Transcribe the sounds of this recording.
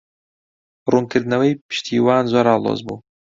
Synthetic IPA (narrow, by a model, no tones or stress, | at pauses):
ruːnkɨɾd̪nɐwɐjpɨ̥ʃt̪ʰiːwaːnzoːɾaːlˠo̰zbṵː